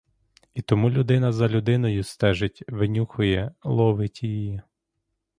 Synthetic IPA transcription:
it̪ɔmulʲʊd̪ɪnɐzɐlʲud̪ɪnɔjʊst̪ɛʒɪtʲʋɪnʲuxʊjɛlˠɔʋɪtʲiji

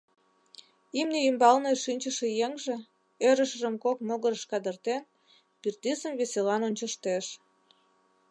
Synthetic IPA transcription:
imneymbɑlneʃinʲt͡ɕəʃĕjeŋʒĕ | øɾəʃəʒəmkokmoɣəɾəʃkɑd̪ərt̪en | pirt̪isəmβeselɑnonʲt͡ɕəʃt̪eʃ

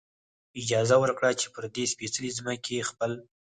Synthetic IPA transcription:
ɪd͡ʒɑzawəɾkɽat͡ʃe̥pəɾd̪espesəlizməkʰexpəl

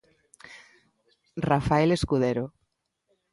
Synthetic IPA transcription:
rafaeleskuðeɾo

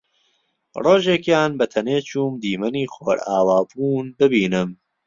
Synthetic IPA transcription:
roːʒeːkjaːnbɐt̪ʰɐneːt͡ʃuːmd̪iːmɐniːxoːɾaːwaːbuːnbɨbiːnɨm

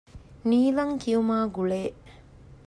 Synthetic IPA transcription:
niːlɐŋkijumaːɡuɭeː

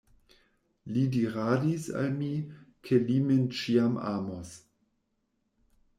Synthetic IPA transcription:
lidiʁaːdisa̰lmikʰelimint͡ʃiamʔa̰ːmos

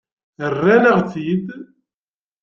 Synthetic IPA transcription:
ərːænəʁθid̪

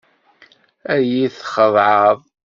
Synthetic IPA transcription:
æjiθχəðˤʕɑðˤ

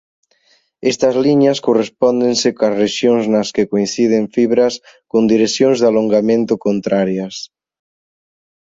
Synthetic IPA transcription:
est̪ɐzliɲaskorespɔnd̪ensekazreʃjoŋznɐskekoinθið̞eɱfiβɾas | kond̪iɾesjõnzðaloŋɡamẽnt̪okont̪ɾaɾjɐs

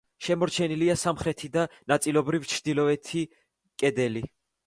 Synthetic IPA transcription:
ʃɛmɔɾt͡ʃʰɛniliasamχɾɛt̪ʰid̪anat̪sʼilˠɔbɾivt͡ʃʰɾd̪̥ilɔɛt̪ʰi | kʼɛd̪ɛli

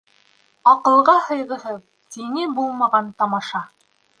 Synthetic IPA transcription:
ɑqɤ̆lˠʁɑhɤ̆jʁɤ̆ɦɤð | t̪inibulˠmɑʁɑnt̪ɑmɑʃɑ

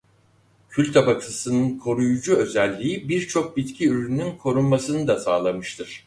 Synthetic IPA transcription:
cʰylʲt̪ʰabakʰɯsɯnɯnkʰo̞ɾujud͡ʒuø̞zɛlʲːiːibiɾt͡ʃʰo̞k̚bit̪cʰiyɾynynkʰo̞ɾunmasɯnɯd̪asaːlˠamɯʃt̪ʰɯɾ̥

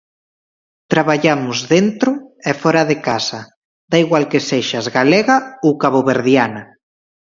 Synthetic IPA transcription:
t̪ɾaβaʎamʊzðent̪ɾʊɛfɔɾaðekasa | d̪aiɣwalkeseʃazɣalɛɣaowkaβoβeɾðjana

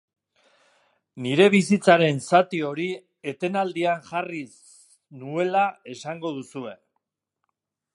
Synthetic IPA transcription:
niɾe̞β̞isit͡saɾe̞nsat̪io̞ɾi | e̞t̪e̞nald̪iaŋʝaris | nue̞lae̞saŋɡo̞ðusue̞

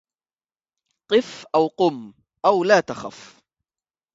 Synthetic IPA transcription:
qɨfʔawqʊm | ʔawlaːt̪axa̰f

